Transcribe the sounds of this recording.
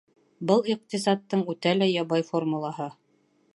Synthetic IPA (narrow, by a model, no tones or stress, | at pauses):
bɤlˠiq̚t̪isɑt̪ːɤɴʉt̪ælæjɑβɑjformulˠɑɦɤ